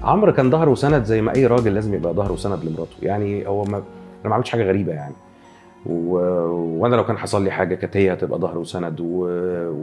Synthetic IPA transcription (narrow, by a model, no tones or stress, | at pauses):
ʕomɾkæːnd̪ɑhɾˤwesænæd̪zæjːmæʔæjːɾˤɑːɡelːæːzemjebʔæd̪ɑhɾˤwesænæd̪lemoɾˤɑːt̪ˤo̥jaʕnihowːæmæʔænæmaʕmed̪ʃħaːɡæɣæɾiːbæjaʕni | we | wænælæwkæːnħɑsˤɑlːiːħaːɡækæt̪ejːæt̪ebʔæ̰d̪ɑhɾˤwesænæd̪we